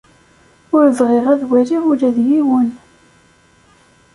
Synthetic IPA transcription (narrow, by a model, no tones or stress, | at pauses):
ʊɾzʁeʁæðwæɾiʁʊɾæðjiwən